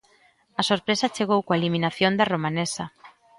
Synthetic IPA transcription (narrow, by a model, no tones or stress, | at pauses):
ɐsoɾpɾesat͡ʃeɣ̞owkoaeliminaθjond̪ɐromanesɐ